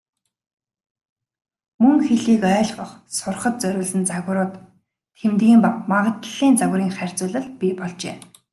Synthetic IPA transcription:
mɵŋxeɮiːkœːɮɢə̆χsʊrχə̆t̪̚t͡sœɾʲʊːɮɘ̆nt͡saɣ̆ɾʊːt̪ʰː | emt̪iːmpapmaʁə̆t̪ɮiːnt͡saɣɾiːŋχær̥ʲt͡sʊːɮə̆ɮpʲipɔɮt͡ɕḛː

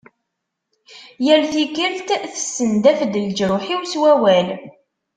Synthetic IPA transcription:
jəɾθikəɾθt̪θə̥sːənd̪æfd̪əld͡ʒɾʊħiwswæwæl

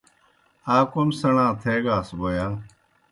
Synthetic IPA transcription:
aːkomsəɳãːt̪ʰeːɡaːsboːjaː

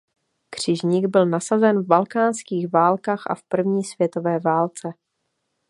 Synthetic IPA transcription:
kr̝̥ɪʒɲiɡbɪlnasazɛnvbalkaːnskiːɣvaːlkaːxʔa̰fpr̩vɲiːsv̥jɛt̪o̞vɛːvaːlt͡sɛ

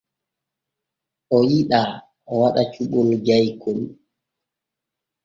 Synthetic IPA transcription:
ʔɔjiɗa | ɔwaɗat͡ʃuɓɔld͡ʒajkʰɔl

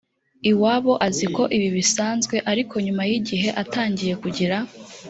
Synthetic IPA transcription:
iwaːβo̞ʔaziko̞ʔiβiβisaːnzɡwe̞ʔaɾikʰo̞ɲumajiɟiɦe̞ʔataːɲɟije̞kuɟiɾa

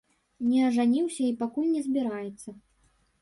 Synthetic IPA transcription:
nʲɛɐʐanʲiwsʲɐipakulʲnʲɛzʲbʲiɾajɛt̪sːɐ

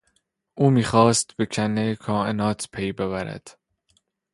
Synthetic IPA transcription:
ʔuːmiːxɒːst̪̚be̞cʰænːejkʰɒːʔenɒːt̪ʰpʰejbe̞βæɾæ̰d̪̥

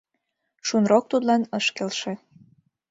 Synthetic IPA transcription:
ʃunrok̚t̪ut̪lɑnəʃkelʃe

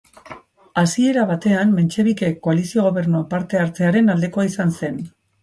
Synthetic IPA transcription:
asie̞ɾaβ̞at̪e̞anme̞nt͡ʃe̞β̞ike̞kːo̞alisio̞ɣo̞βe̞ɾnopaɾt̪e̞aɾt͡se̞aɾe̞nald̪e̞ko̞aisanse̞n

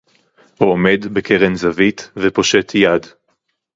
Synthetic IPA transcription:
huome̞dbekʰeʁenzavit̪vepo̞ʃetʰjad

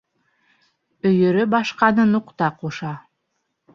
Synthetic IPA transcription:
ɵ̆jɵ̆ɾɵbɑʃqɑnɤnuqt̪ɑquʃɑ

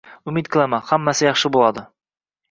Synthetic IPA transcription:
ɵmit̪̚kʰɪlˠæmæhamːæsɪjɑχʃɤbulˠɑd̪ɤ

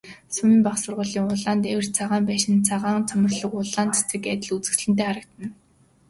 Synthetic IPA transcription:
sʊmiːmpaχsʊrʁʊːɮiːŋʊɮaːnt̪ewɘ̆r̥t͡sʰaʁaːmpæːʃɪ̆nt͡sʰaʁaːŋt͡sʰamərɮɞ̆kʊɮaːnt̪e̥t͡sɘ̆kæt̪ʲɪ̆ɮut͡sɘ̆xt͡ɕɮɘ̆nt̪eːχaɾə̆k̚t̪ɘ̆n

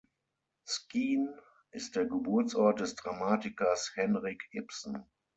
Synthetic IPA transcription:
skiːn | ʔɪst̚d̥eːɐɡəbʊɐt͡sʔɔɐt̚d̥ɛsd̥ʁamaːtɪkɐshɛnʁɪkhɪpsn̩

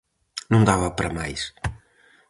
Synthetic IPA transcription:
nɐ̃w̃d̪avɐpɐɾɐmajʃ

